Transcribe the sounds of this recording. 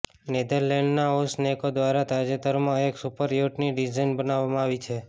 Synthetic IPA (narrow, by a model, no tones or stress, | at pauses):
ned̪əɾleɳɖnaosnekod̪ʋaɾat̪ad͡ʒet̪əɾmãeksupəɾjoʈniɖizajnbənaʋamãaʋit͡ʃʰe